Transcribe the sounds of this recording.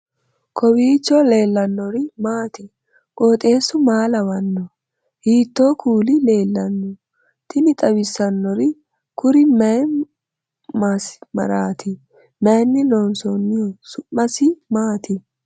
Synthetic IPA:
kʰɔwiːt͡ʃːɔle̞ːlːɐnːɔɾɪmaːt̪ɪ | kʼoːt̪ʼe̞ːsʊmaːlɐwɐnːɔ | hiːt̪ːoːkʰuːlɪle̞ːlːɐnːɔ | t̪ɪnɪt̪ʼɐwɪsːɐnːɔɾɪ | kʊɾɪmɐj | masmɐ̰ɾaːt̪ʰɪ | mɐjnːɪnɔːnsɔnːɪjɔsʊʔːɐsɪmaːt̪ɪ

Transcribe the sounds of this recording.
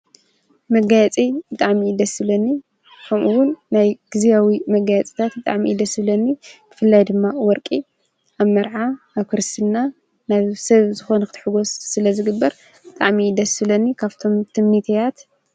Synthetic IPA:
mɐɡajt͡sʼibɨt̪ʼaʕmid̪ɐsɨβlɐnːi | kʰɐmʔuwʊnːajɡ̥ɨzijawimɐɡajɐt͡sʼi̥t̪ʰat̪bɨt̪ʼa̰ʕmid̪ɐsɨβlɐnːib̥ɨfɨlːajd̪ɨmːawɔɾkʼi | ʔaβmɐɾʕaː | βkʰɨɾɨst̪ʰɨnːa | naβsɐβzɨxo̞nɐkɨt̪ʰħɨɡo̞sːɨlɐzɨɡɨbːɐɾ | b̥ɨt̪ʼa̰ʕmid̪ɐsɨβlɐnːikʰaβt̪ʰo̞mt̪ʰɨmnit̪ʰejat̪

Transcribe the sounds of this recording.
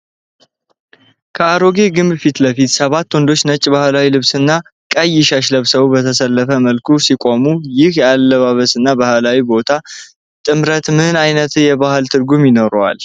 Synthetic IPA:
kʰəaɾo̞ɡe̞ɡɨmbɨfit̪ləfit̪səβat̪ːwɔnd̪o̞t͡ʃːnət͡ʃʼːbahlawilɨβsɨnːa | kʼəjːɪʃaʃ̬ləβsəwubət̪ʰəsəlːəfəməlkʰusikʼomujɪhjalːəβaβəsɨnːabahlawibo̞t̪ʰa | t̪ʼɨmɾət̪mɨnajnət̪ʰɨjɛβahɨlt̪ʰɨɾɡumjɪno̞ɾwa̰l

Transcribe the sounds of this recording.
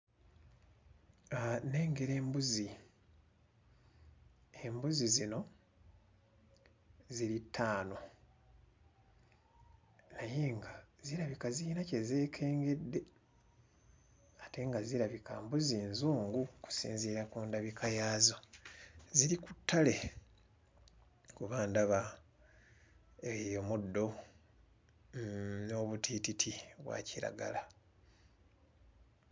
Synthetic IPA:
ane̞ːŋɡe̞ɾe̞ːmbuzi | e̞mbuzizino̞ | ziɾitʰːaːno̞ | naje̞ːŋɡaziɾaβikaziinace̞zeːkʰe̞ːŋɡe̞dːe̞ | ate̞ŋɡaziɾaβikʰaːmbuziːnzuːŋɡuku̥sḭːnziːɾakuːndaβikʰajaːzo | ziɾikutʰːale̞ | kuβaːndaβa | ejomudːo̞ | noβutʰititʰiβwa̰ːciɾa̰ɡa̰la

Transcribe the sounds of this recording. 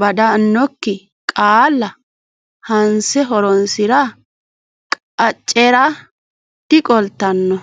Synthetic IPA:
bɐd̪ɐnːɔkːɪ | kʼaːlːɐ | hɐnsɛɦɔɾɔnsɪɾɐ | kʼ | ɐt͡ʃʼːɛɾɐ | t̪ːɪkʼɔlt̪ːɐnːɔ

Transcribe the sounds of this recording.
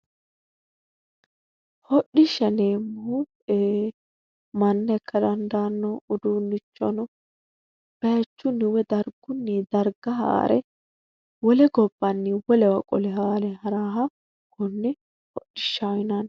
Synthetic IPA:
hɔɗɪʃːɐneːmːʊhʊ | eː | mɐnːɐkʰːɐd̪ɐnd̪aːnːɔʊd̪uːnːɪt͡ʃːɔnʊ | b̥ɐjɐt͡ʃːʊnɪwɛd̪ɐɾɡ̥ʊnːid̪ɐɾɡɐɦa̰ːɾʔɛ̰ | wɔlɛɡɔbːɐnːɪwɔlɛwɐkʼɔ̰lɛhaːɾɛɦɐɾaːɦɐ | kʊnːɪ | hɔ̰ɗːɪʃːajɪnɐn

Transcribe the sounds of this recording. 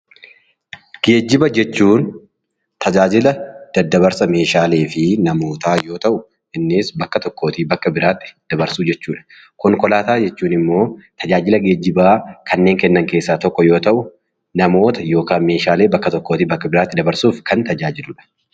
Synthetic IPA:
ɡ̥e̞ːd͡ʒːɪbɐd͡ʒɛt͡ʃːuːn | t̪ʰɐd͡ʒaːd͡ʒɪlɐd̪̥ɐd̪ːɐβɐɾsɐme̞ːʃaːle̞ːfɪnɐmoːt̪aːjo̞ːt̪ɐʔʊ | ɪnːɪsbɐkːɐt̪ɔkːo̞ːt̪iːbɐkːɐbɪɾaːt̪ːɪ̥d̪̥ɐbɐɾsuːd͡ʒɛt͡ʃːuːᶑɐ̥ | kɔŋkɔlaːt̪aːd͡ʒɛt͡ʃːuːnɪmːo̞ːt̪ʰɐd͡ʒaːd͡ʒɪlɐɡe̞ːd͡ʒːɪbaːkʰɐnːe̞ːŋkɛnːɐŋke̞ːsːaːt̪ɔkːɔjo̞ːt̪ɐʔʊ | nɐmo̞ːt̪ɐjo̞ːkaːnme̞ːʃaːle̞ːbɐkːɐt̪ɔkːoːt̪iːbɐkːɐbɪɾaːt̪ːɪd̪ɐbɐɾsuːfkɐnt̪ɐd͡ʒaːd͡ʒɪlʊᶑɐ̥

